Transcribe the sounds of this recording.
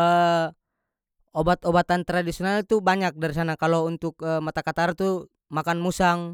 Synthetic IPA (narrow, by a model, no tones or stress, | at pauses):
ə | obat̪obat̪ant̪ɾadisiɔnalt̪ubaɲak̚daɾisanakalount̪ʊk̚əmat̪akat̪art̪u | makanmusaŋ